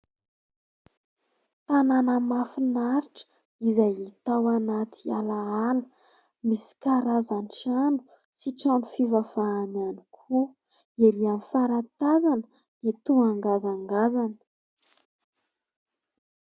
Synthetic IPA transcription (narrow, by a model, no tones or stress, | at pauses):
t̪ananəmafinaɾiʈ͡ʂə̥ | izajit̪awanat̪ʰialaalə̥ | misi̥kaɾazanʈ͡ʂanu̥ | siʈ͡ʂanufivafaːnanikʰu | eɾianifaɾat̪azanə | d̪̥et̪uaŋɡazaŋɡazanə̥